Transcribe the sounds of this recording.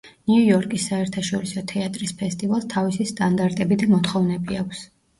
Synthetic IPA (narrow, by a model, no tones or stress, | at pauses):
niujɔɾkʼisːaɛɾt̪ʰaʃɔɾisɔt̪ʰɛat̪ʼɾispʰɛst̪ʼivalˠst̪ʰavisist̪ʼand̪aɾt̪ʼɛbid̪amɔt̪χɔvnɛbiakʷʰs